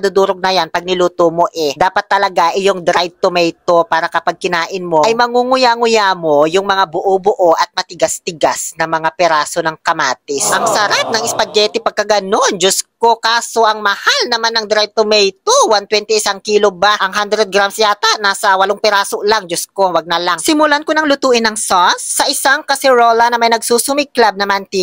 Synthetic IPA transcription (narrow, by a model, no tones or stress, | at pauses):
d̪ud̪uːɾoɡ̚nɐjanpɐɡ̚nɪluːt̪omo̞ʔɛd̪aːpɐt̪ːɐlɐɡaʔɪjoŋd̪ɾaj̚t̪omɛjt̪o̞paːɾɐkɐpɐɡ̚kɪnaːʔɪnmo̞ʔɐjmɐŋuŋʊjaŋʊjamo̞jʊŋmɐŋabʊʔobʊʔoʔɐt̪̚mɐt̪ɪɡast̪ɪɡasnɐŋmɐŋapɛɾaːsonɐŋkɐmaːt̪ɪsʔɐŋsɐɾap̚nɐŋɪspɐd͡ʒɛt̪ɪpɐɡ̚kɐɡɐnond͡ʒʊskokaːsoʔɐŋmɐhalnɐmanːɐŋd̪ɪɾɛt̪omɛjt̪uwant̪wɛnt̪ɛɪsaŋkiːlobaʔɐŋɦand̪ɾɛd̪̚ɡɾamsjaːt̪aʔnaːsɐwɐloŋpɛɾaːsoʔlaŋd͡ʒʊskowaɡ̚nɐlaŋsɪmʊlankonɐŋlʊt̪uːʔɪnːɐŋsonsːɐʔɪsaŋkɐsɛɾolɐnɐmɐjnɐɡsuːsʊmɪɡ̚klab̚nɐmant̪i